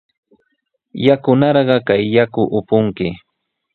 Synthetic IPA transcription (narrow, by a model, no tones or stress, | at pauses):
jakʊnɑɾɢɑkajːakʊʔʊpʊŋkɪ